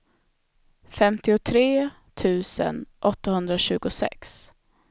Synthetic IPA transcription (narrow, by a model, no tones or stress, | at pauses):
fɛmt̪ɪʊt̪ʰɾeː | t̪ʰʉ̟ːsə̰nʔɔt̪ːahɵnd̪ɾaɕʉ̟ːɡʊsɛ̰ks